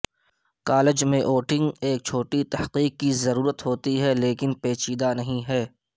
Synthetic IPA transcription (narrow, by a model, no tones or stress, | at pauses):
kaːlɪd͡ʒmẽʔoːʈɪ̃ŋɡeːk̚t͡ʃʰoːʈit̪ɐhqiːqːizɐɾuːɾət̪ɦoːt̪iɦɛleːkɪnpeːt͡ʃiːd̪anɐɦĩɦɛː